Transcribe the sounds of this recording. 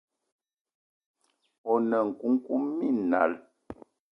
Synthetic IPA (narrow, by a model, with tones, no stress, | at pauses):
ɔ˨nə˨ŋ̩˨ku˦ŋ˦ku˦mːi˦˨na̰˨l